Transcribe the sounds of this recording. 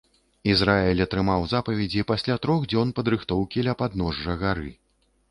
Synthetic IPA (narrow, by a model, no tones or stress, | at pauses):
izɾaɛlʲɐt̪ɾɨmawzapɐvʲɛd͡zʲipasʲlʲat̪ɾɔɣd͡zʲɔnpɐd̪ɾɨxt̪ɔwkʲilʲɐpad̪nɔʐːɐɣaɾɨ̰